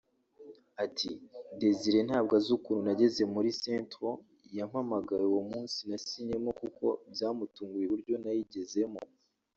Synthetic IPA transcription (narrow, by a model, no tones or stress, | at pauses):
atʰide̞ziɾe̞nhaːb̚ɡazukununaɟe̞ze̞muɾisentɾo | jam̥hamaɡaɾewomuːnsinasiɲe̞mokuko̞bjaːmutuːŋɡujeβuɾɟo̞najiɟe̞ze̞mo